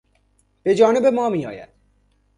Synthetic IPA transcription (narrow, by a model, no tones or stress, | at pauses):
ped͡ʒɔnebemɔmijɔ̰ja̰